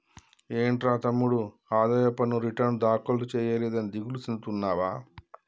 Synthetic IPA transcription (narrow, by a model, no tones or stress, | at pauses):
eːɳʈɾaːt̪ɐmːuɽu | aːd̪aːjɐpːɐnuɾiʈɐɾnd̪aːkɐlt̪ut͡ʃɛːjɐleːd̪ɐnid̪iɡulusind̪ut̪unːaːʋaː